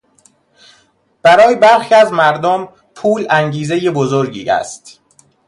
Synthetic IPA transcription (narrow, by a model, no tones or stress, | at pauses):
b̥æɾɒːjebæɾxiːæzmæɾd̪om | pʰuːlæŋɟiːzejebozoɾɟḭːæ̰st̪